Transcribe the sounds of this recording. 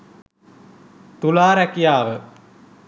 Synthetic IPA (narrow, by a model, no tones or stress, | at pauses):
t̪ulaːɾɛkijaːʋə